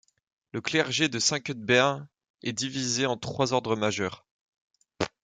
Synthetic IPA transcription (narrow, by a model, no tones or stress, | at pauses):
ləklɛʁʒed̪əsɛ̃kʲəd̪̚bɛʁ | ɛd̪ivizeɑ̃t̪χwazɔʁd̪ʁəmaʒœːʁ